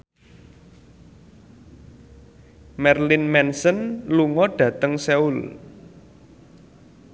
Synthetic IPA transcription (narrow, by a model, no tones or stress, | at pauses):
mɛrlɪnmɛnsənluŋɔɖ̥ä̤t̪əŋsɛul